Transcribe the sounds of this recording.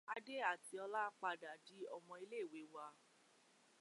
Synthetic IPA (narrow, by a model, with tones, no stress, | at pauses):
a˧de˦a˦˨ti˨˧˦ɔ˧la˦n˦k͡pa˧da˨di˨˦ɔ˧mɔ̃˧i˧le˦˨we˨˦wa˧